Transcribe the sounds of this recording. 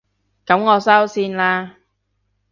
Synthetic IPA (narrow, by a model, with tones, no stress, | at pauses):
kɐ˨˥mŋɔː˨˧sɐ˥wsiː˧nlaː˧